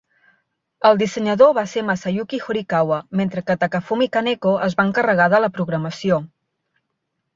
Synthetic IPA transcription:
əlˠd̪isəɲəðoβasemasajukixoɾikawəment̪ɾəkət̪əkəfumikanekoʔəzβaəŋkərəɣaðələpɾuɣɾəməsio

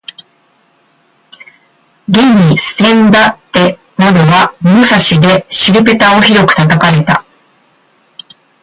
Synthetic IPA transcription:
ɡẽ̞ɲʲːisɨ̥ẽ̞nd̪at̪ːe̞ | nad̪oɡamosaɕid̪e̞ɕiɾɯpe̞t̪ao̞çiɾo̞kɯ̟̥t̪at̪akaɾe̞t̪a

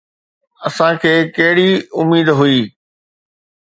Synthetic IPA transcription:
ɐsãkʰeːkɐɦɪɽiʊmiːd̪ɦuiː

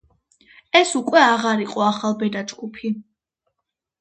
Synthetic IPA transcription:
ɛsukʼwɛaʁaɾiqʼɔaχalˠbɛd̪ad͡ʒɡupʰi

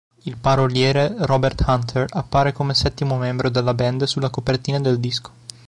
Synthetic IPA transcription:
ilpaɾoljɛːɾerɔbert̪hant̪ʰerapːaːɾekomesɛt̪ːimomɛmbɾod̪elːabɛnd̪sulːakopert̪iːnad̪eld̪isko̥

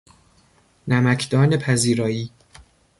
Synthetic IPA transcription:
næmækʰd̪ɒːne̞pʰæziːɾɒːjiː

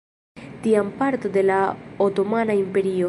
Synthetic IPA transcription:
tiampaɾto̞de̞laoto̞manaimpe̞ɾio

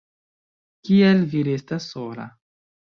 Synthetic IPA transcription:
kielviɾestasːola̰

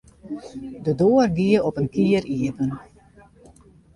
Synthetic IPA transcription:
dədoːərɡiəɔpənkiəriədən

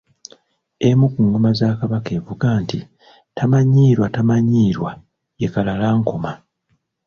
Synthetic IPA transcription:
e̞mukuŋomazaːkaβake̞vuɡaːnti | tamaɲiːɾwatamaɲiːɾwa | je̞kalalaːŋkoma

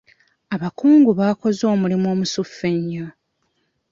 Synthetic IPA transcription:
aβakuːŋɡuβako̞zo̞ːmulimo̞ːmusufːeɲːo

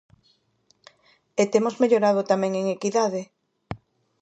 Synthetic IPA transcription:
et̪emozmeʎoɾað̞ot̪amɛ̃ŋeŋekiðaðe

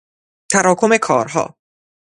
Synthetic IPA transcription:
t̪ʰæɾɒːkʰome̞kʰɒːɾɦɒ̰ː

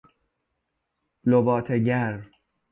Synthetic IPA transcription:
lovɒːt̪ʰeɟæɾ

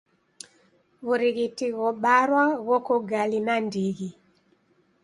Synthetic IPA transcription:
ɣoɾiɣitiɣɔɓaɾwaɣɔkɔɡalinandiɣi

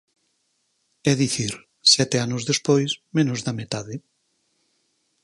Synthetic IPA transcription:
ɛðiθiɾ | sɛt̪eanʊzðespojsmẽnʊzðamet̪aðɪ

